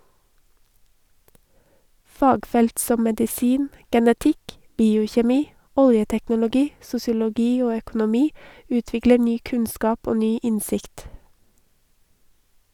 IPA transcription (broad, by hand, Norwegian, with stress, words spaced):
ˈfɑːɡˌfɛlt ˈsɔ mɛdɪˈsiːn ɡɛnəˈtɪk ˈbiːʊçɛˌmiː ˈɔljətɛknʊlʊˌɡiː sʊsɪʊlɔˈɡiː ˈoː œkʊnʊˈmiː ˈʉːtʋɪklə ˈnyː ˈkʉnskɑːp ˈoː ˈnyː ˈɪnsɪkt